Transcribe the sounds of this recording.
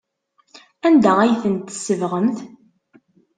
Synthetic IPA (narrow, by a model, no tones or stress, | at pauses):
ænd̪ææjθənt̪ə̥sːəvʁəmθ